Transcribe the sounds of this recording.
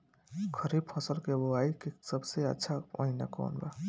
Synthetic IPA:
kʰəɾib̚pʰʌsəlkeboajkesəbseə̰tːʃʰao̰ina̰kɔ̰nba̰

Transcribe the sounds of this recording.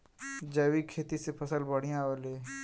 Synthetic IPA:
d͡ʒɐːwikʰːeːt̪isepʰəsəlbəɽ̤ijãoleː

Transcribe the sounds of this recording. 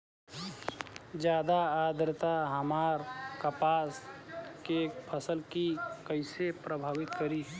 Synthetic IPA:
d͡ʒjaːd̪aaːd̪ɾt̪aɦəmaːɾkəpaːskepʰəsəlkikəɪsepɾəbʱaːwɪt̪kəɾi

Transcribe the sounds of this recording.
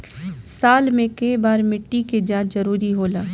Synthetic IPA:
saːlmẽkɐibaːɾmɪʈːiked͡ʒãːt͡ʃzɐɾuːɾiɦoːlaː

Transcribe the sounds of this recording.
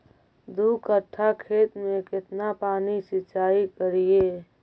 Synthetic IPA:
d̪ukət̪ʰːakʰeːt̪mẽkɪt̪napaːnisɪt͡ʃaːikəɾie

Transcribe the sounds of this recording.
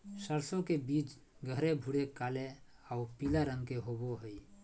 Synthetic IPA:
səɾsõkebiːt͡ʃ | ɡʱəɾebʱuɽekaːleaupilaɾə̃ŋɡkeɦoboɦəi

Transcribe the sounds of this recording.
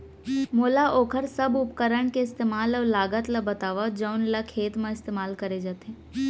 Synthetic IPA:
moːlaʔoːkʰəɾsəbʊpkəɾəɳ̃keɪst̪eːmaːləlaːɡət̪labət̪aːʋad͡ʒəʊnlakʰeːt̪mãɪst̪eːmaːlkəɾed͡ʒat̪e

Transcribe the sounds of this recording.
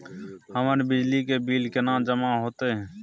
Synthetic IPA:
həməɾbɪd͡ʒlikebiːlkenãːd͡ʒəmaɦoːt̪eɦɛ̃ː

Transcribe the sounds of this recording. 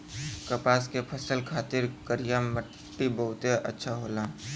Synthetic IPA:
kəpaːskepʰəsəlkʰaːt̪ɪɾkəɾijamːə | ʈːibəɦʊt̪eʔə̰tːʃʰaɦoːlãː

